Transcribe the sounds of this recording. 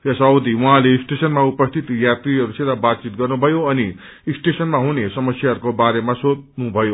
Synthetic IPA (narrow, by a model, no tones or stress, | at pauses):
jasʌwd̪iwuɦãleisʈesʌnmaupʌst̪ʰit̪jat̪ɾiɦʌɾused̪abat̪̚t͡sit̪̚ɡʌrnubʱʌjoʌni | sʈesʌnmaɦunesʌmʌsjaɦʌɾukobaɾemasod̪nubʱʌjo